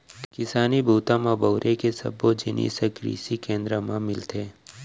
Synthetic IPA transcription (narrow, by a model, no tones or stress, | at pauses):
kɪsaːnibʱuːt̪ãmãbɐːɾʔekesɐ̰bːod͡ʒɪnḭːsɐkɾḭːsikẽːnd̪ɾəmãmɪlt̪ʰeː